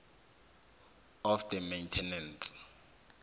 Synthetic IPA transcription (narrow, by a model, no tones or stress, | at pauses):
ɔfd̪əmejntʰɛnɛnt